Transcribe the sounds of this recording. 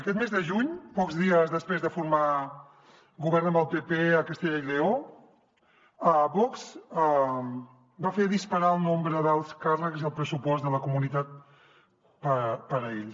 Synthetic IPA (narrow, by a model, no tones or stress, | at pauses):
əkɛt̪mezðəʒuɲpɔkzðiəzðəspɾezðəfuɾma | ɡuβ̞ɛɾnəmbəlˠpepeəkəst̪eʎəileo | əβɔkz̥ə | bafeɾðispəɾaəlˠnombɾəðəlˠskarəkziəlˠpɾəsupɔzd̪ələkumunit̪at̪̚ | pəpəɾəeʎs